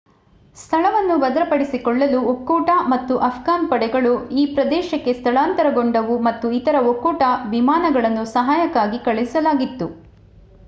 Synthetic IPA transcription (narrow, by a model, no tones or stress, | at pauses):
st̪ʰɐɭɐʋɐnːubɐd̪ɐɾɐpɐɽisikɔɭːɐluokːuːʈamɐt̪ːuʔɐpʰɡaːnpɐɽɛɡɐɭuiːpɾɐd̪ɛːʃɐkːe̞st̪ʰɐɭaːnt̪ɐɾɐɡoɳɖɐʋumɐt̪ːuit̪ɐɾɐokːuːʈɐʋimaːnɐɡɐɭɐnːusɐɦaːjɐkːaːɡikɐɭisɐlaːɡit̪ːu